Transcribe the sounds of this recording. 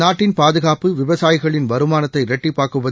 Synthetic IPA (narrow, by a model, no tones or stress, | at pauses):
aːʈːɪnpaːðɯɣaːpɯʋɪʋɐsaːjɪɣɐɭɪnʋɐɾɯmaːnɐt̪ːɐɪɾɛʈːipːaːkɯʋɐ